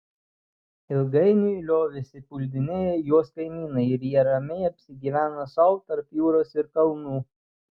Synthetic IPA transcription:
ɪlˠɡɐɪnʲulʲoːʋʲɪsʲɪpʊlʲd̪ʲɪnʲeɛjuɔskɐɪmʲiːnɐɪɪɾjiɛɾɐmʲɛɪɐpʲsʲɪɡʲiːʋʲæːnosɐʊt̪ɐɾpjuːɾoːsɪɾkɐlˠnuː

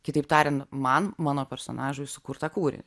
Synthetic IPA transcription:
kʲɪt̪ɐɪpt̪ɑːɾʲɛnt̪mɐnmɑːnoːpʲɛɾso̰ːnʔɑːʒʊjsʊ̥kʊɾt̪ɑkuːɾʲɪ̰

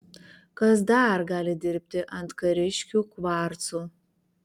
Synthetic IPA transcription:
kɐs̬d̪ɑɾɡɑːlʲɪd̪ʲɪɾʲpʲt̪ʲɪʔɐnt̪kɐɾʲɪʃʲkʲuːkʋɑɾt̪suː

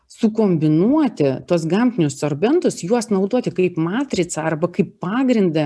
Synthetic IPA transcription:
sʊkoːmʲbʲɪnuɔt̪ʲɪt̪uɔsɡɐmʲpʲɪnʲʊssoɾʲbʲɛnt̪ʊsjuɔsnɐʊd̪uɔt̪ʲɪkɐɪpmɑːt̪ʲɾʲɪt̪sɐɐrbɐkɐɪpːɑːɡɾʲɪnd̪ɐ

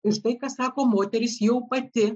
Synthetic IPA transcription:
ɪʃt̪ɐɪkɑsɑːkoːmoːt̪ʲɛɾʲɪsjɛʊpɐt̪ʲɪ

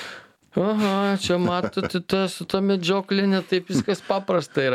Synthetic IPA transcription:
ɐɦɐt͡ʃʲɛmɑːt̪ot̪ʲɪt̪ɐsʊt̪oːmʲɛd͡ʒʲoːklʲɪnʲɛt̪ɐɪpʋʲɪskɐspɑːpɾɐst̪ɐiɾɐ

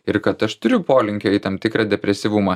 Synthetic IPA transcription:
ɪɾkɐt̪ɐʃt̪ʊɾʲʊpoːlʲɪŋʲkʲoɪt̪ɐmt̪ʲɪkɾɑːd̪ʲɛpʲɾʲɛsʲiʋʊmɐ

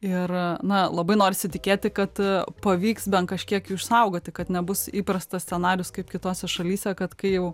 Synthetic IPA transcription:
ɪrnɐlˠɐbɐɪnoːɾʲɪsʲɪt̪ʲɪkʲeːt̪ʲɪkɐt̪pɐʋʲiːksbʲɛnt̪kɐʃʲkʲiɛkːɪʃsɐʊɡoːt̪ʲɪkɐt̪nʲɛbʊsiːpɾɐst̪ɐsʲt͡ssʲɛnɑːɾʲɪjʊskɐɪpkʲɪt̪oːsʲɛʃɐlʲiːsʲɛkɐt̪kɐɪjɛʊ

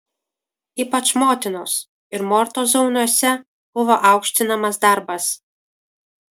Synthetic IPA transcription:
iːpɐt͡ʃmoːt̪ʲɪnoːs | ɪɾmɔɾt̪oːzɒʊnɔsʲɛ | b̥ʊʋoːʔɑʊkʃʲt̪ʲɪnɐmɐsd̪ɐɾbɐs

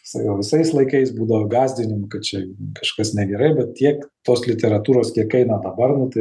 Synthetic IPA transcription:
sɑkoːʋʲɪsɐɪslˠɐɪkɐɪsbuːd̪ɐʋɐɡɑːzʲd̪ʲɪnʲɪmʊkɐt̪t͡ʃʲɛkɐʃkɐsnʲɛɡʲɛɾɐɪbʲɛt̪̚tʲiɛkt̪oːslʲɪt̪ʲɛɾɐt̪uːɾoːskʲiɛkɛɪnɐd̪ɐbɐrnʊt̪ɐɪ

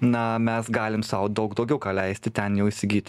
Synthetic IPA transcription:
nɐmʲɛsɡɑːlʲɪmsɑʊd̪ɐʊkd̪ɒʊɡʲɛʊkɑːlʲɛɪsʲt̪ʲɪt̪ʲɛnjɛʊɪsʲɪɡʲiːt̪ʲ

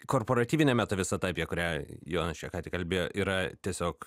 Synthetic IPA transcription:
koːrpoːɾɐt̪ʲiːʋʲɪnʲɛmʲæːt̪oːʋʲɪsɐt̪ɐpʲjɛkʊɾʲæːjoːnɐʃʲʋʲɛkɑːt̪ʲɪkɐlʲbʲeːjoːʔiːɾɐt̪ʲiɛsʲoːk

